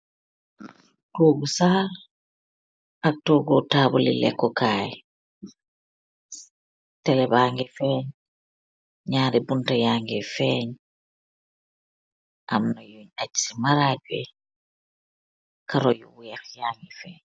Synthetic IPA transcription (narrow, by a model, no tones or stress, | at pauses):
toːɡusaːl | ʔak̚toːɡɔtaːbulḭlɛ̰kːɔkaːj | tɛlɛbaːŋɡɛfɛːɲ | ɲaːɾibuntajaːŋɡɛfɛɲ | ʔamnajoɲat͡ʃsimaɾaːɟuɛ̰ | kaɾɔjuwujɛxjaːŋɡɛfɛːɲ